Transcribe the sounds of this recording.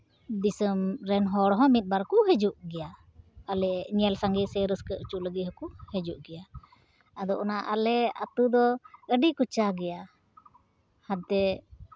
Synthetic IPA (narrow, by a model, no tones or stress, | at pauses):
d̪isəmɾɛnɦɔɽɔɦɔ̃mit̪̚ˀbaɾkuɦɛd͡ʒuʔɡɛja | alɛɲiɛlsaŋɡɛsɛɾəskəʔt͡ʃuʔləɡiɦɔkuhɛd͡ʒuʔɡɛja | ad̪ɔʔɔnaʔa̰lɛa̰t̪ud̪ɔəɖikut͡ʃaɡɛja | had̪̚t̪ɛ